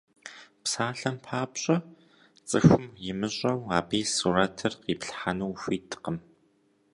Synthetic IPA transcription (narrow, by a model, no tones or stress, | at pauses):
psaːɬɐmpʰaːpɕʼɐ | t͡sʼɨxʷʊmjɪmɨɕʼɐwaːbeːsurɐtʰɨrqiːpɬħanuwfʷiːtʰɨ̥qəm